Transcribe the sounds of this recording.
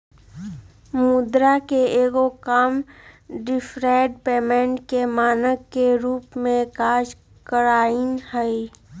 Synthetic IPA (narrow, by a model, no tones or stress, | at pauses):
mud̪ɾakeeːɡokamɖɪfʰɾaːɖpeːmẽɳʈkemaːnəkkːeɾuːpmẽkaːd͡ʒ | kəɾaːinhɛi